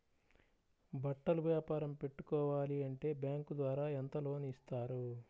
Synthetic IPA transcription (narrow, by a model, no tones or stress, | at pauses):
bɐʈːɐluʋjaːpaːɾɐmpe̞ʈːukɔːʋaːliɐɳʈe̞ːbjaːŋkud̪ʋaːɾaːent̪ɐlo̞ːnuːst̪aːɾu